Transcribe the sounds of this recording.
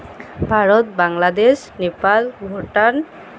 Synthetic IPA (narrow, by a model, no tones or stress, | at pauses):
bʱaɹɔt̪baŋlad̪eʃ | nepalbʱoʈan